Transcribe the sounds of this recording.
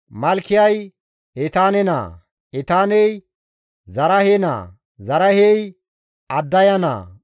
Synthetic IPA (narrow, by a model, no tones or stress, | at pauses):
mɐlkːɪjɐj | ɛt̪aːnɛna̰ː | ɛt̪aːnɛj | zɐɾɐhena̰ː | zɐɾɐhej | ɐd̪ːɐjɐna̰ː